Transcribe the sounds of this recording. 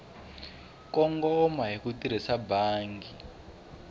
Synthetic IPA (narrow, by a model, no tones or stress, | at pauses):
kɔŋɡɔmaɦikutiɾ̤isabaːŋɡi